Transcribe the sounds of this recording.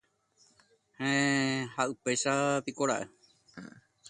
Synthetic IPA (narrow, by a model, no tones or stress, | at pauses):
hẽhaʔɨpejʃapikoɾaʔe